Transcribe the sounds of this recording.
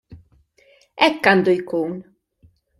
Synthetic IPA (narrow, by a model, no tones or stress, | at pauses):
ɛkːand̪ujkoːn